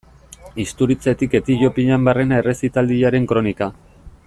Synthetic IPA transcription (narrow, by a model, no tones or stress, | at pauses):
ist̪uɾit͡se̞t̪ike̞t̪iʎo̞piʎambare̞nae̞re̞sit̪ald̪iaɾe̞ŋkɾo̞nika